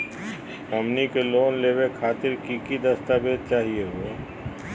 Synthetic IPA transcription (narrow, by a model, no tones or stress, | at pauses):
əmnikeloːnleːbekʰaːt̪ɪɾkikid̪əst̪abed̪̚t͡ʃaːɦieɦoe